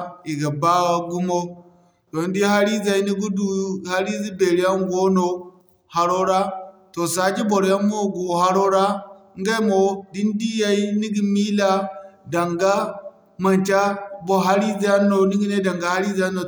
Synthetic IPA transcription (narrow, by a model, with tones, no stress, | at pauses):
i˨ɡa˨ba˦wa˦ɡu˦mo˦ | to˨n˦di˦ha˦ɾi˦za˨i˦ni˦ɡu˦du˦˨ha˦ɾi˦d͡zi˦be˨ɾi˦a˦ŋ˦ɡo˦no˦ | ha˨ɾo˦ɾa˦to˨sa˨˦d͡ʒi˦bo˨ɾja˦mo˦ɡo˨ɦa˦ɾo˦ɾa˦ŋ˦ɡe˦mo˨di˦n˦di˦ja˦i˦ni˦ɡi˦mi˦la˦da˨ŋɡa˦ | ma˨nt͡ʃa˦bo˦ɦa˦ɾi˦d͡za˦no˨ni˦ɡi˦ne˦da˨ŋɡa˨˦ha˦ɾi˦d͡za˦no˨